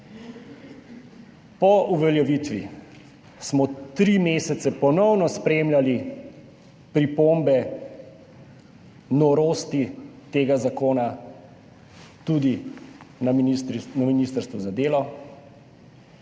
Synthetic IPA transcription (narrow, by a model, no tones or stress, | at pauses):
pɔʔuʋɛljɛʋit̪ʋi | smɔt̪ɾimeːsɛt̪sɛpɔnɔwnɔspɾeːmljali | pɾipombɛ | nɔɾoːst̪it̪eːɡazakoːna | t̪ud̪inanaminiːst̪əɾst̪ʋuzad̪eːlɔ